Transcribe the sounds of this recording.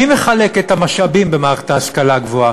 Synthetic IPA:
imeχale̞kethamaʃabimbemae̥taaskalaɡvoa

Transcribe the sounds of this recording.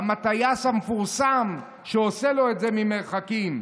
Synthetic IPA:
amat̪ajashamefuʁsam | ʃeoselo̞etzemimeʁχakim

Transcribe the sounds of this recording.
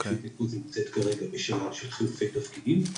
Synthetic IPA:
ʃitikuzimot͡set̪kaʁe̞ɡabeʃanaʃelχilufe̞jt̪ɐfkidim

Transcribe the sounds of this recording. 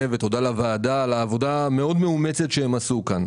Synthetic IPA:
evet̪o̞dalavaːdalaːvo̞dameo̞dmeumet͡setʃeemasukan

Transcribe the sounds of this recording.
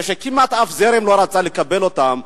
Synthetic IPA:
ʃekimat̪afzeɾemlo̞ɾat͡salekabelot̪am

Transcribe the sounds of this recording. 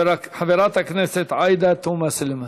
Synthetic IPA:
ɾɑkħabiɾˤɑːt̪aknesɪt̪ʕɑjd̪at̪uːmasɪlma

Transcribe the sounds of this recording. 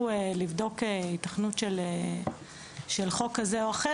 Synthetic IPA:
elivdo̞keitaχnutʃele | ʃelχo̞kːazeoaχe

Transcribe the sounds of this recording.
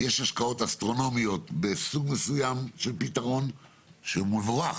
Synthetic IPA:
jeʃaʃkao̞tast̪ʁo̞no̞mijo̞t̪besuɡmesujamʃe̞lpitaʁo̞n | ʃeumuvʁa

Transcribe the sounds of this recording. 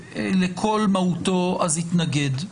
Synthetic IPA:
lekʰo̞lmautoazhit̪naɡed

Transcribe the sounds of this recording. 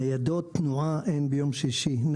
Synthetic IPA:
jad̪ot̪nuʔaʔenbejomʃiʃin

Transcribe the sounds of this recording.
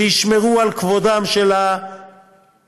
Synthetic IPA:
iʃmeʁualkvodamʃela

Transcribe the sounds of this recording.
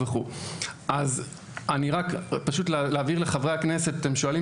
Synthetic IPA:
veχuʔaz | aniʁakpaʃut̪leleːviʁle̞χavʁeakneset̪at̪e̞mʃoali

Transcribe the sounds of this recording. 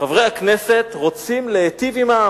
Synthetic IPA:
avʁejaknese̞t̪ʁot͡simleːt̪ivima

